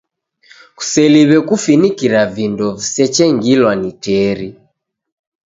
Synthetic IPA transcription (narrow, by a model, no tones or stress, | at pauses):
ku̥sɛliβɛkufinikiɾavindɔvisɛt͡ʃɛŋɡilwanitɛːɾi